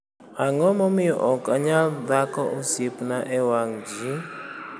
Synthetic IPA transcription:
aŋɔmɔmiʔɔkʼaɲad̪akɔʔusipnaʔɛwaŋd͡ʒi

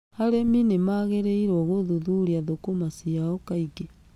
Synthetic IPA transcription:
haɾeminemaɣeɾeiɾɔɣoðuðuɾiaðokomasiaɔkaiɡe

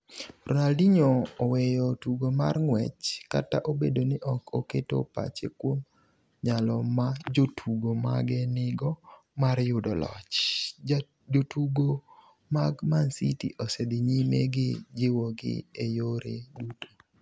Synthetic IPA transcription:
rɔnaldiɲoːwɛjɔtuɡoma̰rŋwɛt͡ʃkataʔobedonɪʔɔkʰoketo̰pa̰t͡ʃḛkwom | ɲalɔmad͡ʒotʰuɡoma̰ɡɛnɪɡɔ | maɾjʊdɔlɔ̰t͡ʃ | d͡ʒotʰuɡo | maɡmansitḭʔɔsɛdɪɲimḛɡɪd͡ʒɪwɔɡɪ̰ejoɾeduto̥

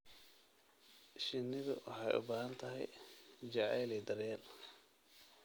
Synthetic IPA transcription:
ʃɪnɪðʊ̰wʔɑ̰ħɑjʔʊ̰baːɦɐnt̪ʰɐɦɛjd͡ʒɐʕɛːlɛd̪ɐɾɛːl

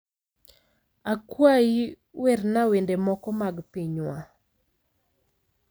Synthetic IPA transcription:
akwai | wɛrnawendemɔkɔmaɡpiɲwa

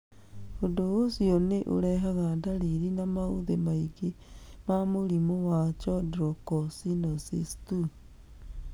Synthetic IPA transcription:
ondoosiɔneʔo̰ɾɛɦaɣadaɾiɾinamaoðemaiɡe | mamoɾimowat͡ʃɔdɾɔkɔsinɔsistu

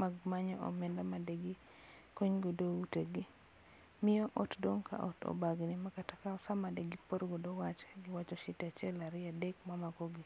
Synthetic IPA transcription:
maɡmaɲɔʔɔ̰mɛndamadeɡi | koɲɡodouteɡi | mɪjɔʔɔtdoŋkʰa̰ʔɔ̰tɔ̰baɡnɪmakatakaɔsamadeɡipoɾɡodowat͡ʃɡɪwat͡ʃɔʃitat͡ʃɛlaɾɪadekmamakɔɡi

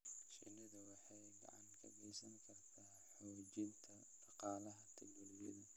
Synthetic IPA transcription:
ʃḭnɐðɐwɑħɑjɡɑ̰ʕɑŋkʰɐ̰ɡɛjsɐŋkʰɐrt̪ʰaː | ħɔːt͡ʃɪnt̪ʰɐ | ʃɑqɑːlɐɦɐt̪ʰɐɡɐlɪjɐ̰ðɐ

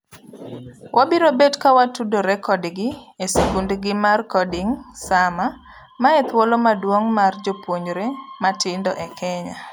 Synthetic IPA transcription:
wʔabiɾobedkawatudoɾɛkɔdɡɪesekundɡɪmarkɔdɪŋsama | maɛt̪wolomadwoŋmard͡ʒopwoɲɾematɪndɔʔɛkʰɛɲa̰

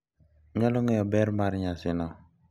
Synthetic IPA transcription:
ɲaloŋɛjɔbɛɾmaɾɲasɪnɔ

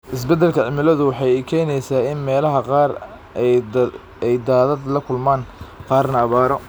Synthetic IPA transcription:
ʔɪs̬bɛd̪ːɛlkʰɐʕɪmɪlɐðʊwɑħɑjkʰɛːnɛjsaːɪnmɛːlɐɦɐqɑːr | ɛjd̪aːðɐd̪lɐkʰʊlmaːnqɑːrnɐːβaːɾɔ

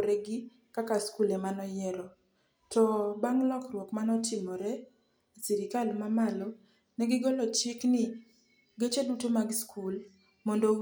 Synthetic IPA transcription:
ɾɛɡɪ | kakaskulɛmanɔjɛɾɔ | tɔbaŋlɔkrwɔkmanɔtɪmɔɾɛ | isiɾɪkalmamalɔ | nɛɡɪɡɔlɔt͡ʃɪknɪ | ɡet͡ʃedutomaɡskʰul | mɔndo

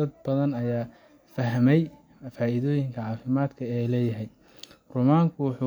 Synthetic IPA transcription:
ɐd̪̚bɐðɐnɐjaː | fɐɦmɛj | faːiðɔːjɪŋkʰɐʕɑːfɪmaːd̪kʰɐɛlɛːjɐɦɛj | rʊːmaːŋkʰʊwʊħʊː

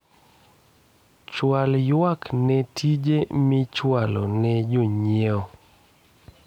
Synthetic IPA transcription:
t͡ʃwaljwaknɛtʰid͡ʒemɪt͡ʃwalo̰nɛd͡ʒoɲeɔ

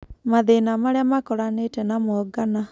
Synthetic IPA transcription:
maðenamaɾeamakɔɾanetɛnamɔɡana

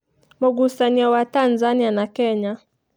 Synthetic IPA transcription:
mɔɡusaniawatanzanianakɛɲa

